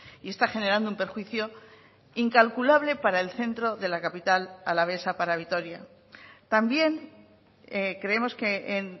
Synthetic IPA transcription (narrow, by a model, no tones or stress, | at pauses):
ie̞st̪axe̞ne̞ɾand̪oumpe̞ɾxwiθjo̞ | iŋkalkulaβ̞le̞paɾae̞lθe̞nt̪ɾo̞ðe̞lakapit̪ala̰laβe̞sapaɾaβ̞it̪o̞ɾja | t̪ambje̞ŋ | ekɾe̞e̞mo̞ske̞en